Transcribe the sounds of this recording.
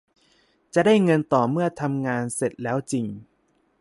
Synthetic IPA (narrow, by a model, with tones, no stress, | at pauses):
t͡ɕa˨˩daː˥˩jŋɤ˧nt̪ɔː˨˩mɯ˥˩ɐt̪ʰa˧mŋaː˧nse˨˩t̪̚lɛː˦˥wt͡ɕi˧ŋ